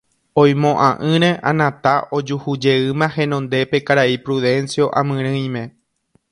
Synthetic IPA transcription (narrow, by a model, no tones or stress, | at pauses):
õj̃mõʔãʔɨ̃ɾ̃ẽʔã̰nãt̪aʔo̞d͡ʒuhud͡ʒe̞ɨmãhẽ̞nõ̞nd̪e̞pe̞kaɾaipɾuðe̞nsjo̞ʔãmɨ̃ɾ̃ɨ̃j̃mẽ̞